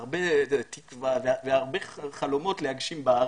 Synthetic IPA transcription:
ʁbet̪ikvaveveaʁbeχalomo̞t̪lehaɡʃimbaaʁ

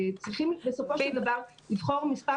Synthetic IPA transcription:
t͡sʁiχimbesopoʃd̪avaʁ | livχoʁmispa

